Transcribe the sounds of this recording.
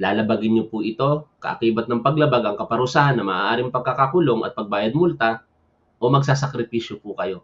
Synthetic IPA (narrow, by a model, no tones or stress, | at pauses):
laːlɐbaɡɪnɲopʊʔɪt̪o̞kɐ̰ʔɐ̰kiːbɐt̪̚nɐŋpɐɡlɐbaɡɐŋkɐpɐɾʊsaːhɐnːɐmɐːʔaːɾɪŋpɐɡ̚kɐkakʊlo̞ŋɐ̰t̪̚pɐɡ̚baːjɐd̪̚mʊlt̪a | ʔo̞mɐɡsaːsɐkɾɪpiːʃjopʊkɐjo̞